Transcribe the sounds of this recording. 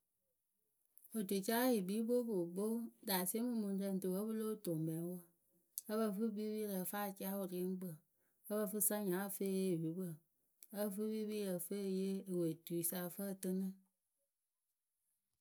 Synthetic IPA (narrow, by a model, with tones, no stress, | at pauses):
o˨de˨t͡ʃa˦ji˨biː˨˦bo˦bo˨ɡ͡bo˦da˨smɨ̃˦mũ˧n˦tə˧˦n̩˨tɨ˨wə˦bɨ˦lo˦˨to˨mbɛ̃˨˦wo˦ | ə˦bə˧fɨ˦bi˦bi˦lə˨fa˦˨t͡ʃa˦o˨ɾi˨˦ŋ˦ɡ͡bə˨ | ə˦bə˧˨fɨ˦sã˦ɲã˨˦˧fe˦˨je˦˨wi˨˦bə˦˨ | ə˦˧˨fɨ˦bi˦bi˦jə˨fe˦˧˨je˦e˨we˨tu˨i˨sa˧˨fə˦˨tɨ˧nɨ̃˦